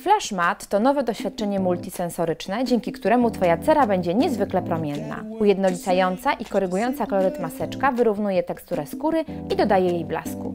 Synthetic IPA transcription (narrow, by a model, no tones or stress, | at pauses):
flaʂmat̪ːɔnɔvɛd̪ɔɕfʲjat̪̚t͡ʂɛɲɛmult̪ʲisɛnsɔɾɘt͡ʂnɛd͡ʑɛŋkʲikt̪uɾɛmut̪fɔjat̪sɛɾabɛɲd͡ʑɛɲɛzvɘklɛpɾɔmʲjɛnːa̰ujɛd̪nɔlʲit̪sajɔnt̪saʔikɔɾɘɡujɔnt̪sakɔlɔɾɛt̪masɛt͡ʂkavɘɾuvnujɛt̪ɛkst̪uɾɛskuɾɘid̪ɔd̪ajɛjejbla̰skṵ